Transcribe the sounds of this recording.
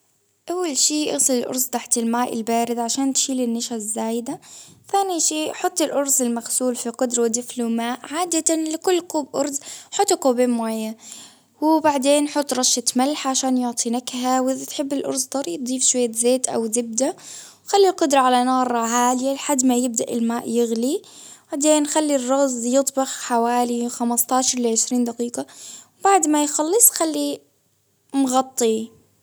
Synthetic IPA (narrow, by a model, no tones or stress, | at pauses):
ʔawːalʃiːʔɑ̰ɣsˤɨlɪlʔʊ̰ɾˤsˤt̪aħt̪ɪlmaːʔɪ̰lbaːɾɪd̪ʕaʃaːnt̪ʃiːlɪnːaʃazːaːjɪd̪aθaːniʃiːʔħʊt̪ˤːɪlʔʊɾˤsɪlmaxsuːlfiqʊd̪ɾˤɑwɪd̪ɪfluːmaːʔʕaːd̪at̪anlɪkʊlːquːbʔʊ̰ɾˤzħʊt̪ˤːquːbeːmaːjːa | wɪbaʕd̪eːnħʊt̪ˤːɾˤɑʃɪt̪malːaħʕaʃaːnjʊʕt̪ˤʰinakhawɪðat̪ħɪbːɪlʔɑ̰ɾzt̪ˤɑɾˤib̚d̪ˤifʃwajːazeːt̪ʔa̰wzɪb̚d̪a | wxalːilqʊd̪ɾˤɑʕalanɑːɾˤɑʕaːlɪjalħad̪ːmajɪb̚d̪aʔɪlmaːʔjɪɣlib̥aʕd̪eːnxalːirˤːɑɣzˤjɨt̪ˤbɑxħawaːlixamɑst̪ɑːʃɑɾˤlɪʕɪʃɾiːnd̪aqiːqɑwbaʕd̪majxɑlːɨsˤxalːi | mɣɑt̪ˤːi